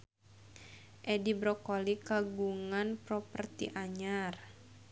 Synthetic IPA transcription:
ʔɛdibɾɔkɔlikaɡuŋanprɔpərt̪ḭʔaɲar

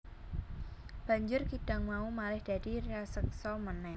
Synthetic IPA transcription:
b̥a̤ɲd͡ʒʊrkiɖ̥a̤ŋmaumalɪhd̥a̤d̥ireasəksɔmənɛ

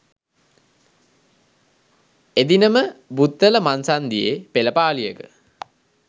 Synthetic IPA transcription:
ed̪inəməbut̪ːələmansand̪ijepeləpaːlijəkə

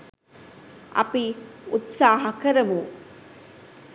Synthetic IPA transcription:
ʔɐ̰piut̪saːɦɐkəɾəmu

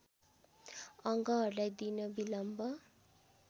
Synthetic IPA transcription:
ʌŋɡʌɦʌrulajd̪inʌbilʌmbʌ

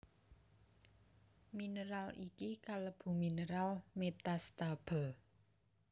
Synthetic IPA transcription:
minəɾalikikaləb̥ṳminəɾalmet̪ast̪ab̥ə̤

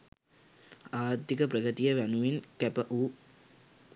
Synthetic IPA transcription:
aːɾt̪ːikəpɾəɡət̪ijəʋænuʋinkæpəʔuː

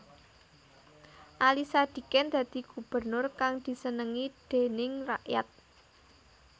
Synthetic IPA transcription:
ʔalisad̪̥i̤kɛnd̪̥ä̤d̪̥i̤ɡ̥ṳb̥ərnʊrkaŋd̪̥i̤sənəŋid̪̥e̤nɪŋraʔja̰t̪̚

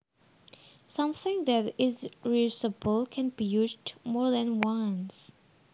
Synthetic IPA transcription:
sʌ̃mθɪ̃ŋðætɪzɹisəbəlkʰɛ̃nbijuzdmɔɹðɛ̃nwãns

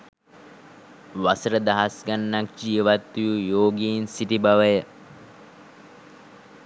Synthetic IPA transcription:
ʋasəɾəd̪aɦasɡanːak̚d͡ʒiəʋat̪ːijujoːɡiːnsiʈibaʋəjə

